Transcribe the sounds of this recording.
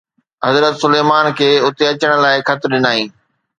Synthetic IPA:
ɦɐzɾət̪sʊleːmaːnkʰeːʊt̪eɐt͡ɕəɽ̃̆laːɪkʰɐt̪ɾɗɪnaːɦĩː

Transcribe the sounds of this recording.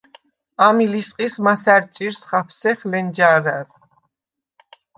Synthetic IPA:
amilisqʼismasaɾt͡ʃʼiɾsχapʰsɛχlɛnd͡ʒaɾaɾ

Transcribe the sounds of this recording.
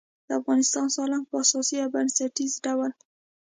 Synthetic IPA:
d̪̥əafɣɑnɪst̪ɑnsɑlanɡ̚pəasɑsiabansaʈizɖawəl

